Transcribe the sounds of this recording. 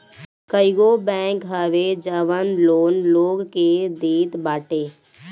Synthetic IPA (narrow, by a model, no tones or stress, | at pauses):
kəɪɡobɛ̃ːŋkɦəʋed͡ʒəʋənloːnloːɡked̪eːt̪baːʈeː